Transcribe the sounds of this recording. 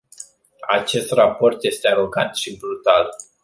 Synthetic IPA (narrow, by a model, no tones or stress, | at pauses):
at͡ʃe̞st̪rapo̞rt̪je̞st̪eaɾo̞ɡant̪ʃibɾut̪al